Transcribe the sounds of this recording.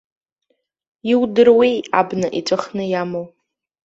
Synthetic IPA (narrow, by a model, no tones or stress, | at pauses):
iwdɨrwija̰bnɨʔiʈ͡ʂʷʼɨχnɨjamow